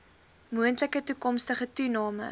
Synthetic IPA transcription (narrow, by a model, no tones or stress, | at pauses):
muəntləkətukɔmstəχətunɑːmə̰